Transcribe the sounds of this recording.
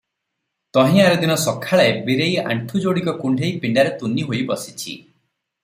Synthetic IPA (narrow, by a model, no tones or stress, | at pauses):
t̪ɔɦĩaɾɔd̪inɔsɔkʰaɭaebiɾeja̰ɳʈʰud͡ʒoɽikɔkuɳɖʱejpiɳɖaɾet̪uniɦojbɔsi̥t͡ʃʰḭ